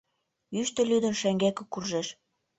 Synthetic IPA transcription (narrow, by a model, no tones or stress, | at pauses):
yʃt̪ə̆lʲyd̪ə̆nʃæŋɡækĕkurʒeʃ